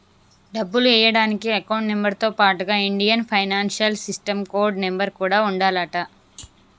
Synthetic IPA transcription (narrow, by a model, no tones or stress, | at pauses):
ɖɐbːuluɛːjɐɽaːnikiɐkɐwɳʈne̞mbɐɾt̪o̞ːpaːʈuɡaːiɳɖijɐnpʰɐjnaːnʃɐlsisʈɐmkoːɾɖnembɐɾkuːɽaːuɳɖaːlɐʈɐ